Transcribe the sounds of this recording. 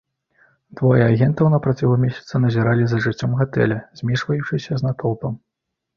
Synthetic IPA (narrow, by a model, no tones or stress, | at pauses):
d̪vɔjɛaɣʲɛnt̪ɐwnɐpɾat͡sʲɛlˠɐmʲesʲɐ̥t̪sɐnɐzʲiɾalʲizɐʐɨt͡sʲːɔmɣat̪ɛ̰lʲɐzʲmʲiʂvɐjut͡ʂɨsʲɐznat̪ɔlˠpɐm